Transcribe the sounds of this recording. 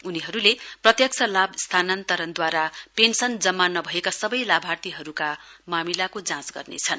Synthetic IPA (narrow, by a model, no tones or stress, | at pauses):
uniɦʌɾuleprʌt̪jʌk̚t͡sʰʌlabst̪ʰanant̪ʌɾʌnd̪waɾapensʌnd͡zʌmːanʌbʱʌekasʌbʌjlabʱart̪iɦʌɾukamamilakod͡zãsɡʌ̰rnḛt͡sʰʌn